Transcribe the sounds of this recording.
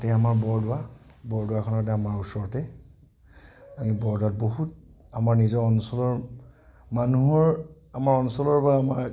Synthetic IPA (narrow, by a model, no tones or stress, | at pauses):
tɛamaɹbɔɹdʊwa | bɔɹdʊwakʰɔnɔt̬ɛamaɹusɔɹɔtɛ | amibɔɹdʊat̚boɦut | amaɹnizɔɔnsɔlɔɹ | manuɦɔɹ | amaɹɔnsɔlɔɹbaːmaɹ